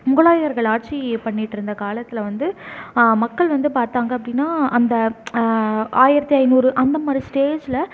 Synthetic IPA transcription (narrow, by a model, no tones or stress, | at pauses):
mʊɣɐɭaːjɐɣɐɾɣɐɭaːʈ̚t͡ʃipɐɳːɪʈːɪɾɯnd̪ɐkaːlɐt̪ːɪlɐʋɐnd̪ɯmɐkːɐɭʋɐnd̪ɯpaːɾt̪aːŋɡɐpːɐɽɪnːaːɐnd̪ɐ | ʔaːjɪɾɐt̪ːiɐɪnuːɾɯʔɐnd̪ɐmaːd̪ɾisʈeːd͡ʒlɐ